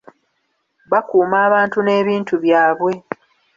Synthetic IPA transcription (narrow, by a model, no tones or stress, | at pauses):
βakuːmaːβaːntune̞ːβiːntuβjaːβwe̞